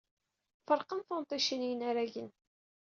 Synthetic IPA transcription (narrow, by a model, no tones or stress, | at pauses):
fəɾˤqənθont̪ˤiʃinijənaɾæʝən